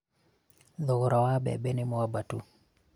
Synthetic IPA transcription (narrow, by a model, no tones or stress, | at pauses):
ðʊɡʊɾawabɛ̰bɛnɪmɔabatṵ